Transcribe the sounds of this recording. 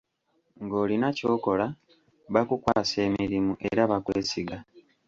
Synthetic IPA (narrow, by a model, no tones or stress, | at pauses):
ŋɡo̞ːlinaco̞ːko̞la | βakukwaːse̞ːmiɾimuʔe̞ɾaβakwe̞ːsiɡa